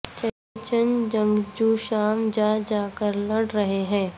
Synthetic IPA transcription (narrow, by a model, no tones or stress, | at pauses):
t͡ʃɐ | t͡ʃənd͡ʒɐ̃ŋɡd͡ʒuːʃaːmd͡ʒaːd͡ʒaːkəɾlɐɽɾɐɦeɦɛ̃ː